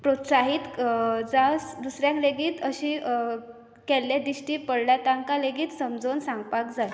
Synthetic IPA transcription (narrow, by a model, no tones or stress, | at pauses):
pɾot̪saɦiːt̪d͡zasd̪usɾjãkleɡiːt̪əɕiː | kɛlːjad̪iɕʈiːpəɽljat̪aŋkaleɡiːt̪səmd͡zonsãŋɡ̚pakd͡zaj